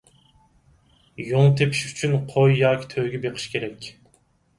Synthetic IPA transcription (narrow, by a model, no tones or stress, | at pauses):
joŋt̪ʰepʰi̥ʃy̥t͡ʃʰynqʰojːɑːkʲʰi̥t̪ʰøɡʲɛbeqʰɨ̥ʃkʲʰeɾɛkʲ